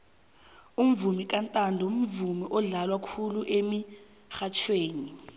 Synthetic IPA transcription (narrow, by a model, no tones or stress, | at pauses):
um̩vumik̬ʼantʼandʱɔum̩vumiʔɔɮalwakʰuluʔemi | xat͡ʃʰweːni